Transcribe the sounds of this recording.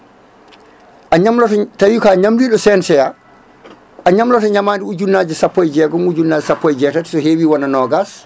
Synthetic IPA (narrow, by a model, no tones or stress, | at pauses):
ʔaɲamlɔttajukaɲamdiːɗɔsɛnsɛja | ʔaɲamlɔtɔɲamaːndiuɟunːad͡ʒisapːɔjɟɛːɡɔmuɟunːaːɟisapːɔjɟɛːtati̥sɔɦeːwiːwananɔːɡas